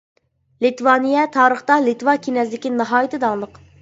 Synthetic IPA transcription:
lit̪wɑːnijɛt̪ʰɑːɾəχt̪ɑlit̪wɑkʲʰinɛsd̪ɪkʲinɨɦɑːjit̪ʰɨd̪ɑŋlˠəq

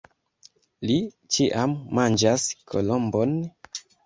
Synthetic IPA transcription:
li | t͡ʃiʔamːand͡ʒaskʰo̰lombo̞n

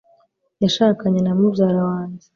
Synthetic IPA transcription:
jaʃaːkaɲenamubjaɾawaːɲd͡ʒe̥

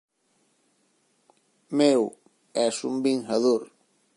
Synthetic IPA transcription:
mew | ɛsumbiŋxaðoɾ

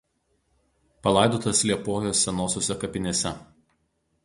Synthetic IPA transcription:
pɐlˠɑˑɪd̪oːt̪ɐslʲiɛpoːjoːsːʲɛnoːsʲoːsʲɛkɐpʲɪnʲeːsʲɛ

